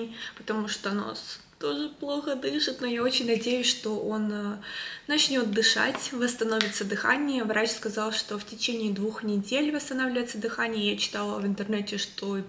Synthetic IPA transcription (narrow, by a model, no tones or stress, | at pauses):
pə̥t̪ɐmuʂt̪ono̰s | t̪o̞ʐɨplˠo̞xəd̪ɨʂɨt̪nojao̞t͡ɕɪnʲnɐdʲejʊsʲʂt̪o̞ʔo̞nəːɐt͡ɕnʲo̞t̪̚d̪ɨʂa̰tʲvəst̪ɐno̞vʲɪt̪səd̪ɨxa̰nʲɪjəvɾat͡ɕskɐzɑlˠʂt̪o̞ftʲɪt͡ɕenʲɪːd̪vuxnʲɪdʲelʲvəst̪ɐnavlʲɪvəjt̪səd̪ɨxanʲɪjəjat͡ɕɪ̥t̪ɑlˠəɐvɨnt̪ɨrnɛtʲɪʂt̪o̞